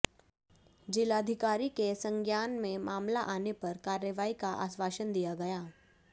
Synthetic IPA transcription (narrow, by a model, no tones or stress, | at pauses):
d͡ʒɪlaːd̪ʱɪkaːɾikesə̃ŋɡjaːnmẽmaːmlaʔaːnepɐɾkaːɾjəʋaːikaʔa̰ːsʋaːʃənd̪ijaɡɐjaː